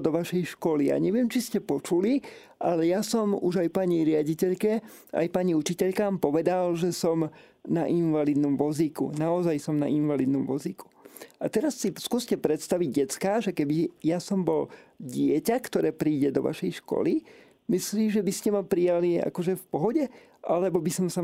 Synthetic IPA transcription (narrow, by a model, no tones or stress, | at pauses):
d̪ɔʋaʃɛjʃkɔlija̰ːɲɛʋɪɛmt͡ʃiscɛpɔt͡ʃuli | ʔalɛjasɔmuʒajpaɲiɾɪaɟicɛʎkɛ | a̰jpaɲiut͡ʃicɛʎkaːmpɔʋɛd̪alʒɛsɔm | naʔinʋalid̪nɔmʋɔzikṵnaɔzajsɔmna̰ʔinʋalid̪nɔmʋɔziku̥at̪ɛɾasːiskuɔscɛpɾɛt̪st̪aʋiɟɟɛtt͡skaːʒɛkɛbijasɔmbɔlɟɪɛcakt̪ɔɾɛːpɾiːɟɛd̪ɔ̰ʋa̰ʃɛjʃkɔ̰li | misliːmʒɛbiscɛmapɾijalia̰kɔʒɛfpɔɦɔɟɛ | ʔalɛbɔbisɔmsa